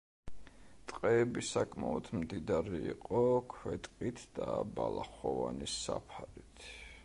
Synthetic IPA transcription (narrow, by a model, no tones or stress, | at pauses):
t̪ʼqʼɛːbisakʰʼmaɔd̪ʰmd̪id̪aɾiːqʼɔkʰwɛt̪ʼqʼit̪ʰd̪̥abalˠaχɔvanisapʰaɾit̪ʰ